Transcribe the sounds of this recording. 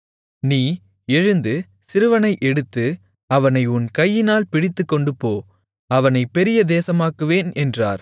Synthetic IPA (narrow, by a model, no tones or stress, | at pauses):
niː | ɛɻɯnd̪ɯ | sɪɾɯʋɐnɐɪʔɛɽɯt̪ːɯ | ɐʋɐnɐɪʊnkɐjːɪnaːlpɪɽɪt̪ːɯkːɔɳɖɯpːoː | ɐʋɐnɐɪpːɛɾɪjɐd̪eːsɐmaːkɯʋeːnɛndraːɾ